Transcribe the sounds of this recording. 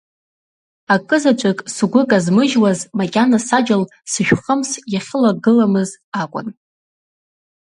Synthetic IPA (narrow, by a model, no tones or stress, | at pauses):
akʼɨzat͡ʃʷʼɪkʼsɡʷʊkʼazmɨʒwazmakʲʼanasad͡ʒal | sɨʒᶣχəmsjaχʲɪlaɡɨlamɨzakʷʼʊ̰n